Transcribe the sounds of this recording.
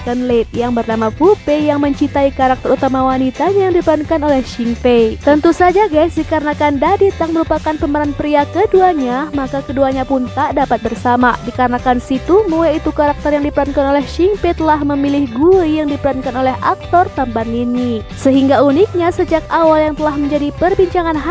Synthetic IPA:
kənlet̪̚jaŋbərnamapupɛjaŋməɲt͡ʃit̪aikaɾak̚t̪əɾut̪amawanit̪aɲajaŋdipəɾankanolɛhʃiŋpet̪ənt̪usad͡ʒaɡaisdikaɾənakandadit̪aŋməɾupakanpəməɾanpɾiakəduaɲamakakəduaɲapunt̪aʔdapat̪̚bərsamadikaɾənakansit̪umuɛit̪ukaɾak̚t̪ərjaŋdipəɾankanolɛhʃiŋpɛt̪əlahməmilɪhɡuijaŋdipəɾankanolɛɦa̰k̚t̪ɔrt̪ambanini | səɦiŋɡaunik̚ɲasəd͡ʒakawaljaŋt̪əlahməɲd͡ʒadipərbiɲt͡ʃaŋanɦa

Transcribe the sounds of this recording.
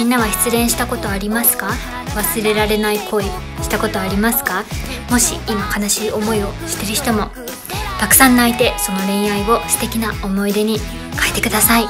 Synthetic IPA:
mĩnːaβaçi̥t͡sɨɾẽ̞ɰ̃ɕi̥t̪ako̞t̪o̞aɾʲimasɨ̥ka | βasɨɾe̞ɾaɾe̞naikʰo̞i | ɕi̥t̪ako̞t̪o̞aɾʲimasɨ̥kamo̞ɕḭimakanaɕiːo̞mo̞io̞ɕi̥t̪e̞ɾɯ̟çi̥t̪o̞mo̞ | t̪akɯ̥sãnːait̪e̞so̞no̞ɾẽ̞ɰ̃aio̞sɨ̥t̪e̞kʲinao̞mo̞id̪e̞ɲ̟i | kʰaet̪e̞kɯ̟d̪asai

